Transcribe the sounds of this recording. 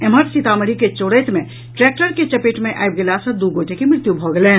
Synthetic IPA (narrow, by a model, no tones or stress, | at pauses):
eməɾsit̪aməɾiket͡ʃoːɽət̪mẽ | ʈɾɛk̚ʈəɾket͡ʃəpeːʈmẽʔa̰jb̚ɡelasə̃d̪uɡoːʈekemɾɪt̪jubʱɔɡele